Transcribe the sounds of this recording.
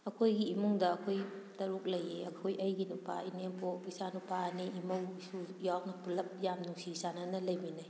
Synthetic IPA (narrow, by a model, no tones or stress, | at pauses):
ɐkʰojɡiːmuŋdɐːkʰojtɐɾuk̚lɐjeɐkʰojɐjɡinupʰa̰ineŋpʰɔisanupaniʔimɐwisujawnɐpulɐp̚jamnuŋsiisananɐlɐjbinaj